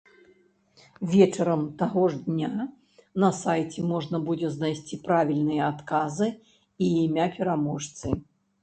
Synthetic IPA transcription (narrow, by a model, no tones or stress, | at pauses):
vʲɛt͡ʂɐɾɐmt̪aɣɔʐd̪ʲnʲa | nɐsajt͡sʲɛmɔʐnɐbud͡zʲɛznajsʲt͡sʲipɾavʲilʲnɨjɛat̪kazɨ | iːmʲapʲɛɾamɔʂt̪sɨ